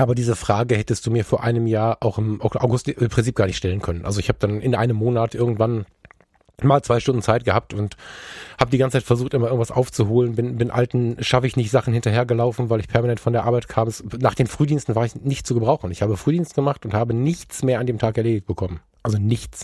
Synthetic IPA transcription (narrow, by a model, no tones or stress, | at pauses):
ʔaːbɐdiːzəfʁ̥aːɡəhɛtəst̚d̥uːmiːɐfoːɐʔaɪnəmjaːɐʔaʊxɪmʔaʔa̰ʊɡʊstɪmpʁ̥ɪnt͡siːp̚ɡ̥aɐnɪçtʃtɛlənkʰœnənʔa̰lzoɪçhaːbəd̥anɪnʔa̰ɪnəmːoːnatʔɪɐɡŋ̩tv̥an | maːlt͡sv̥aɪʃtʊndn̩t͡saɪt̚ɡ̥əhap̚tʊnthaːbədiɡant͡sət͡saɪtfɛɐzuːxtʔɪmɐlɪɐɡŋ̩tv̥asʔa̰ʊft͡suhoːlənbɪnbɪnʔa̰ltn̩ʃafəɪçnɪçtz̥aχn̩hɪntɐɦeːɐɡəlaʊfn̩vaɪlɪçpʰɛɐmanɛntfɔndeːɐʔaɐbaɪtkʰaːməsnaːχd̥eːnfʁ̥yːdiːnstn̩vaːɐɪçnɪçtt͡suːɡəbʁaʊxχn̩ɪçhaːbəfʁ̥yːdiːnstɡ̥əmaχtʊnthaːbənɪçt͡smeːɐandeːmtʰaːkɛɐleːdɪçt̚b̥əkʰɔmən | ʔalzonɪçt͡s